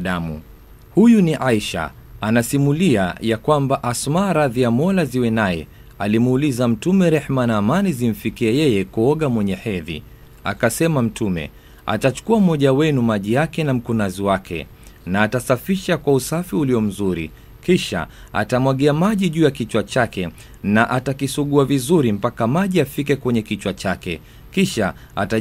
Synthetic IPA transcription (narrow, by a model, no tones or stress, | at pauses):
ɗamṵ | hujuniʔaiʃa̰ | anasimulia̰jakwambaʔasmaɾaðiamɔlaziwɛnajɛ̰ | alimuːlizam̩tumɛɾɛħmanaːmanizim̩fikiajɛjɛkuɔɠamwɛɲɛħɛðḭ | a̰kasɛmam̩tʰumɛ̰ | a̰tat͡ʃu̥kuam̩hɔʄawɛnumaʄijakɛnam̩kunaziwakʰɛ̰ | naːtasafiʃakwausafiuliɔm̩zuɾḭ | kiʃa̰ | a̰tamwaɠiamaʄiʄuːjakit͡ʃwat͡ʃakɛ | naʔatakisuɠuavizuɾim̩pakamaʄiafik̬ɛkwɛɲɛkit͡ʃwat͡ʃakɛ | kiʃa̰ | a̰ta